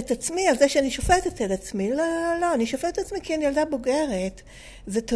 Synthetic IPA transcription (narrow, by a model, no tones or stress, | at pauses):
etat͡smialzeʃeaniʃofet̪etedat͡smilolo̞aniʃofeet̪at͡smikianijaldaboɡeʁet | zet